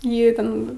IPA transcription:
ˈjiː ˈtʲɛn

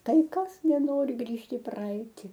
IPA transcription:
ˈtɐɪ ˈkɐs nʲɛˈnoːrʲɪ ˈɡrʲiːʃʲtʲ iː ˈprɐɛɪtʲɪ

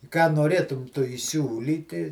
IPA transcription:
kɑː noːˈrʲeːtʊm ˈtʊ iːˈsʲuːlʲiːtʲɪ

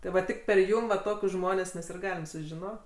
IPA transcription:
tʲɪ ˈʋɐ ˈtʲɪk pʲɛr ˈjʊm ʋɐ ˈtoːkʲʊs ˈʒmoːnʲɛs ˈmʲɛs ɪr ˈɡɑːlʲɪm sʊʒʲɪˈnoː

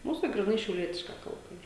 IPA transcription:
ˈmuːs tɐɪ ɡrʲiːˈnɐɪ ʃʲɛʊˈlʲiɛtʲɪʃkɐ ˈkɐlˠbɐ ˈiːr

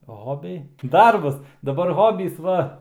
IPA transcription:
ˈɣoːbʲɛɪ ˈdɐrbɐs dɐˈbɐr ˈɣoːbʲiːs ˈʋɐ

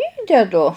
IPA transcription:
ˈiːdʲɛdʊ

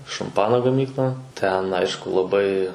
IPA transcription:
ʃɐmˈpɑːnoː ɡɐˈmʲiːklˠɐ ˈtʲɛn ˈɐɪʃkʊ lˠɐˈbɐɪ

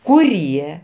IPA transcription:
kʊˈrʲiɛ

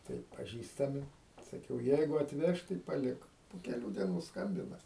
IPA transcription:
ˈtɐɪ pɐˈʒʲiːstɐmʲɪ sɐˈkʲɛʊ ˈjɛɪɡʊ ɐtʲˈʋʲɛʃ tɐɪ pɐˈlʲɪk poː kʲɛˈlʲuː dʲiɛˈnuː ˈskɐmʲbʲɪnɐ

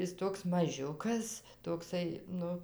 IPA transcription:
ˈɪs ˈtoːks mɐˈʒʲʊkɐs toːkˈsɐɪ ˈnʊ

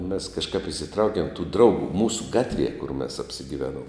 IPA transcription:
mʲɛs kɐʃˈkɐp ɪsʲɪˈtrɐʊkʲiɛm tuː ˈdrɐʊɡʊ ˈmuːsʊ ˈɡɑːtʲˌʋʲiɛ kʊr mʲɛs ɐpʲsʲɪɡʲɪˈʋʲæːˌnuɔm

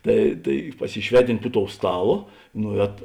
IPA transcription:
ˈtɐɪ tɐɪ pɐsʲɪˈʃʲʋʲæːˌtʲɪnʲtʲ pʊ toːʊ ˈstɑːˌlˠoː ˈnʊˌɛːtoː

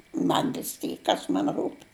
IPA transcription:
ˈmɐn ʋʲɪs ˈtʲiːk ˈkɐs mɐn ˈruːpʲ

